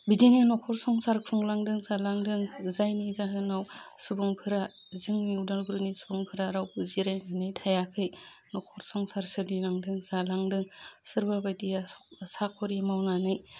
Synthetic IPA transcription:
bidininɔkʰɔɾsɔŋsaɾkʰuŋlaŋdɯŋzalaŋdɯŋzajnizaɦɯnawsubuŋpʰɯɾa | zɯŋniudalbuɾɯnisubuŋpʰɯɾaɾawpuziɾajnɯnɯjtʰajakʰɯj | nɔkʰɔɾsɔŋsaɾsɯdilaŋdɯŋzalaŋdɯŋsɯɾbabajdijasakʰɔɾimawnanɯj

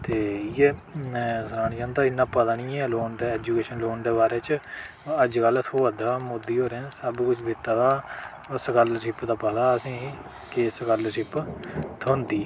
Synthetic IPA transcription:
t̪eːiɛː | səɾaːnt͡ʃãːnd̪aːɪnːãːpət̪aɳĩːɛ̃ːloːnd̪eːɛːd͡ʒuːkeːʃənloːnd̪eːbaːɾeːt͡ʃ | əd͡ʒkəlːət̪ʰoːʋəd̪ɾaːmoːd̪ːiːɦoːɾẽːsəbkʊt͡ʃʰd̪ɪt̪ːaːd̪aː | səkəlʈʰɪpd̪aːpət̪aːəsĩː | kesəkəlʈɪpt̪ʰõːnd̪iː

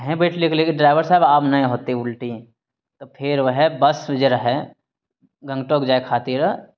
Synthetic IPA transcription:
ɦɛ̃beːʈʰliklekeɖɾaːɪʋəɾsaːɪbaːpnɐɦĩɦoːt̪eʊlʈi | t̪opʰɪɾʋɐɦɛbɐsʋd͡ʒeɾɐɦe | ɡɐ̃ŋɡʈoːkd͡ʒaːekʰaːt̪iɾ

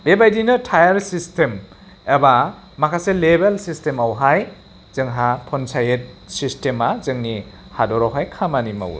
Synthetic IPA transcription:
bebajdinɯtʰajaɾsistem | eba | makʰaselebelsistemawɦaj | zɯŋɦapʰɔnsajet̚sistemazɯŋni | hadɔɾawɦajkʰamanima̰w̰

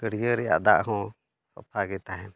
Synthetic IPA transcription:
kəɽ̤ijəɾɛja̰ʔd̪a̰ʔɦɔ̃ | sɔ̰pʰaɡɛt̪aɦɛn

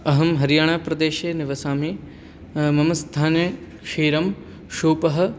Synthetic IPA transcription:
ɐɦɐmɦɐɾijaːɳ̃aːpɾɐd̪eːʃeːnɪʋɐsaːmeː | mɐmɐsd̪ʱʰaːne | ʃiːɾɐm | ʃuːpɐɦɐ̆

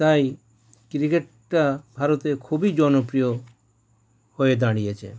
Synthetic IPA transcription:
t̪aj | kɾikeʈ | ʈabʱaɾɔt̪ekʰubʱid͡ʒɔnɔpɾijɔ | hoed̪aɽ̃iet͡ʃʰḛ

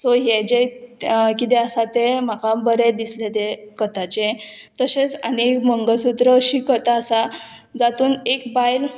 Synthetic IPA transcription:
sɔɦjed͡ʑe | kit̪̬ɛəsat̪em̤akabəɾed̪islet̪ekət̪at͡ɕẽ | t̪əsẽt͡sənekməŋɡəsut̪ɾəɕikət̪aːsa | d͡zat̪uːnekbajl

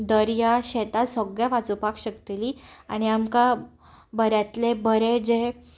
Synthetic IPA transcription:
d̪əɾjaɕɛt̪asəɡɭjaʋat͡supakɕəkt̪eliːaɽ̃iamka | bʱəɾjat̪lebʱəɾed͡ʑe

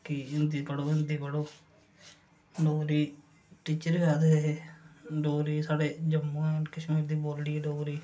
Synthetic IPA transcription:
kiɪnd̪iːpəɽoːɪnd̪iːpəɽoː | loːɾiː | ʈiːt͡ʃəɾɡaːd̪eeɦeːɖoːɾiːsaːɽeːd͡ʒəmːõːɛkɪʃmeːɾd̪iːboːlɖiːɛɖoːɾiː

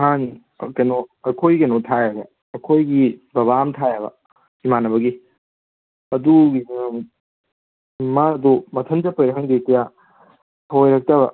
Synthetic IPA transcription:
ɦan | kɐnoɐkʰojɡɐnotʰajɐbɐ | ɐkʰojɡibɐβamtʰajabɐ̰ | imanɐbɐɡi | ɐduɡi | madumɐtʰɐnd͡ʒɐpɐjɾɐɦɐŋdikɐja | hojɾɐk̚tɐβɐ̰

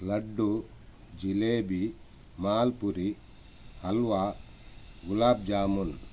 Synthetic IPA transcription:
lɐɖːu | d͡ʒileːbi | maːlpuɾi | hɐlʋaː | ɡulaːb̚d͡ʒaːmun

